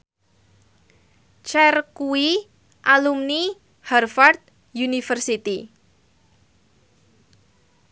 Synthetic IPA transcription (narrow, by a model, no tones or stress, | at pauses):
t͡ʃɛrkuwi | ʔalumni | hɛrfart̪̚ | junifərsit̪i